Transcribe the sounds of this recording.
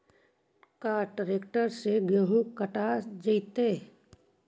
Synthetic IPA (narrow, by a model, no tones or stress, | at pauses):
kaːʈɾeːkʈəɾseɡoɦukəʈad͡ʒit̪eː